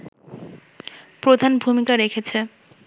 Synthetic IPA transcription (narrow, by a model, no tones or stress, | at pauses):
pɾod̪ʱanbʱumikaɾekʰet͡ɕʰe